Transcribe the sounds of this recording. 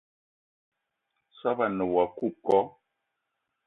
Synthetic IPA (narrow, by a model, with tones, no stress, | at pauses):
sa˦ba˨nə˨wa˨ku˦˨p̚kɔ˨˦